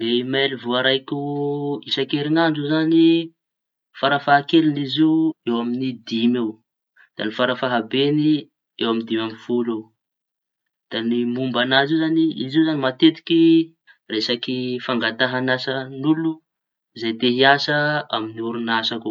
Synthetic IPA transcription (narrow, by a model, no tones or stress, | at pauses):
leimelivuaɾajkʲuisakeɾinand͡ʒizani | faɾafaɦakeliniziwewaminid̪imew | d̪̥a̰nifaɾafaɦabeni | ewamind̪imamifulew | d̪̥animumbanaziwzaniḭziwzanimat̪et̪i̥ki | resakifaŋɡat̪aɦanasənulu | izajt̪eɦiasəaminiuɾunasaku